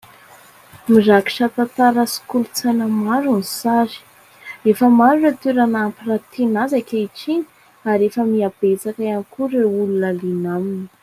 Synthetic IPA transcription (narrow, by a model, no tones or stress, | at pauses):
miraki̥ʃat̪at̪aɾasi̥kulut͡sajnəmaɾunisaɾi̥ | refəmaɾuret̪yɾanampirat̪ʰenazakʲaiʈ͡ʂiɲi̥ | aɾefəmiab̥et͡sakaanikuɾeulunəlinamini̥